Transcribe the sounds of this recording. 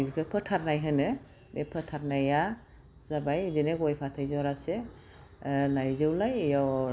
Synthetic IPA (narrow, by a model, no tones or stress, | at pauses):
ibikʰɯpʰɯtʰaɾnajɦɯnɯ | bepʰətʰaɾnaja | zabajzinɛkɔjpʰatʰɯjzɔɾasɛ | najzɯwlajejaw